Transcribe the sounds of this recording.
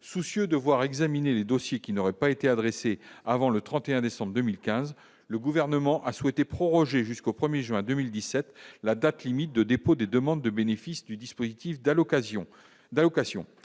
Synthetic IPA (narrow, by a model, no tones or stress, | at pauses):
susjød̪əvwaʁɛɡzamineled̪osjekʲinɔʁɛpaet̪ead̪ʁeseavɑ̃lət̪χɑ̃t̪eɛ̃d̪esɑ̃bʁd̪əmilkʲɛ̃z | ləɡuvɛʁnəmɑ̃ʔaswɛt̪epχɔʁɔʒeʒyskopχəmjeʒɥɛ̃d̪ømild̪isɛt̪lad̪at̪limit̪̚d̪əd̪epod̪ed̪əmɑ̃d̪ːəbenefisd̪yd̪ispozit̪if | d̪alɔkasjɔ̰̃